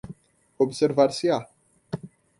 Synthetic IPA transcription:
observaɾsia

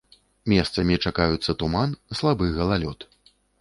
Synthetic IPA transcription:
mʲɛst̪sɐmʲit͡ʂakajut̪sːɐt̪umanslˠabɨɣɐlˠalʲɔt̪

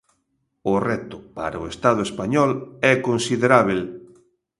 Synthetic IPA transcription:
ʊrɛt̪ʊpa̰ɾaʊest̪að̞ʊespaɲɔlɛkonsiðeɾaβel

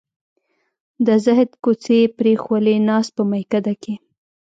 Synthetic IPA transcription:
d̪əzɪɦd̪kot͡sepɾexwəlenɑs̚pəmajkad̪ake

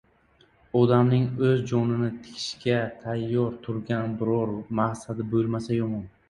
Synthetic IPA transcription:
ɒd̪amnɪŋɵzd͡ʒɒnɪnɪt̪ʰɪ̥kʲʰɪ̥ʃkʲat̪ʰajːɒɾt̪ʰʊɾɡʲanbɪɾɒɾmahsad̪ɪbolˠmasajomɒn

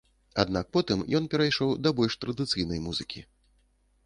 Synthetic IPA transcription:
ad̪nak̚pɔt̪ɨmjɔnpʲɛɾajʂɔwd̪ɐbɔlʲʂt̪ɾɐd̪ɨt̪sɨjnɐjmuzɨkʲḭ

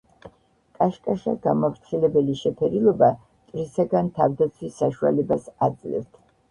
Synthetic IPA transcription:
kʼaʃkʼaʃaɡamavɾt̪sʰilɛbɛliʃɛpʰɛɾilˠɔba | t̪ʼɾisaɡant̪ʰavd̪at̪sʰwisːaʃua̰lɛbasad̪zlɛ̰ft̪ʰ

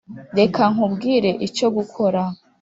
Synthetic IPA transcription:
de̞kʰaŋ̥ubɡiːɾe̞ʔit͡ʃo̞ɡukʰo̞ɾa

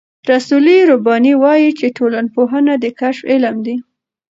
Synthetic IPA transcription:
ɾasuliɾobɑniwɑjit͡ʃeʈolanpoɦənad̪əkaʃfɪlamd̪i

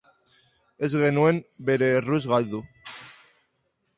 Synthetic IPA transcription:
ezɣe̞nuembeɾeruzɣalðu

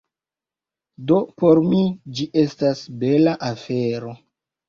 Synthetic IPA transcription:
do̞poɾmid͡ʒiʔe̞stasbe̞laʔafeɾo̞

